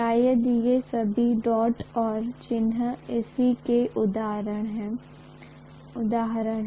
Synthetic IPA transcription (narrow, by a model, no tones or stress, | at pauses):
aːjəd̪iesəbʱiɖɔːʈɔːɾt͡ʃɪnɦɪsikeʔʊd̪aːɾəɽ̃ɦɛ̃ː | ʊd̪aːɦɾəɳ